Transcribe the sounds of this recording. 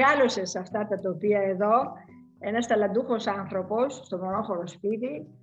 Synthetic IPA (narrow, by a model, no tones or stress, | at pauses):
ɐlosesɐft̪ɐt̪ɐt̪opiɐeðo̞ | e̞nɐst̪ɐlɐnd̪uxo̞sɐnθɾo̞po̞sːt̪o̞mo̞noxoɾospit̪i